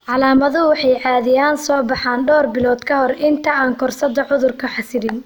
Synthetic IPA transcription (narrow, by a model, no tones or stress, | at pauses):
ʕɑlaːmɐðʊwɑħɑjʕɑːðɪjaːnsɔːbɑħaːnɖɔːrbɪlɔːd̪kʰɐɦɔrʔɪnt̪ʰɐaːŋkʰɔrsɐd̪ɐʕʊðʊrkʰɐħɑsɪɾɪn